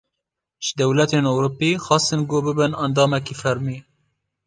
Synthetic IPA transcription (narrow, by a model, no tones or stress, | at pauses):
ʒ̥ɨd̪ɛwlɛt̪eːnowɾupːixɑːst̪ɨnɡoːbɨbɨnɑnd̪ɑːmɛkifɛɾmi